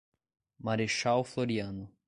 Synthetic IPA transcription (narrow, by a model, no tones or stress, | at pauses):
maɾeʃawfloɾjanʊ